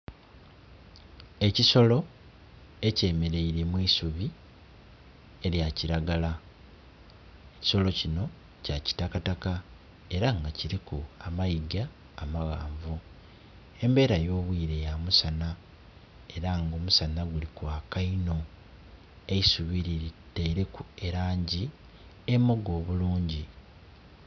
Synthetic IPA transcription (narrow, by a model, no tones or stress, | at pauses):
e̞ciso̞lo̞ | e̞ce̞ːme̞ɾe̞iɾemwiːsuβi | e̞ɾjaciɾaɡala | eci̥so̞lo̞cino̞ | caci̥takataka | e̞ɾaŋɡaciɾikuamajiɡaː | maɣaːɱvu | e̞mbe̞ːɾajo̞ːβwiːɾe̞jamusana | eɾaŋɡo̞musanaɡulikwaːkaino̞ | e̞isuβiɾiɾiteɾe̞kue̞ɾaːɲɟi | e̞mːoɡo̞ːβuluːɲɟi